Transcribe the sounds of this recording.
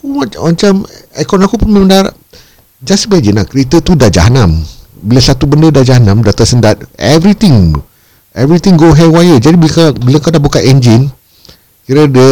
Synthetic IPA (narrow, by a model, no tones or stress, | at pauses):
akuwawant͡ʃamakɔnakupunməməndaɾ | d͡ʒasəbad͡ʒinakəɾit̪ət̪udad͡ʒa̰ɦanãmbilasat̪ubəndədad͡ʒaɦanãmdat̪asəndat̪̚ɛvɾit̪iŋ | ɛvɾit̪ĩŋɡoɦɛd̚wajəd͡ʒadibikabilakadabukaʔɛnd͡ʒin | kiɾədə